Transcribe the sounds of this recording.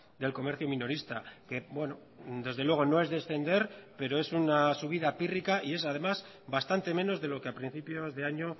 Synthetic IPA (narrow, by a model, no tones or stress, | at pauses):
d̪e̞lko̞me̞ɾθjomino̞ɾist̪ake̞bwe̞no | d̪e̞zðe̞lwe̞ɣ̞o̞no̞e̞zðe̞sθe̞nd̪e̞ɾpe̞ɾo̞e̞sunasuβ̞iðapirikaie̞saðe̞maz | bast̪ant̪e̞mẽ̞no̞zðe̞lo̞ke̞apɾin̟θipjo̞zðe̞aɲo̞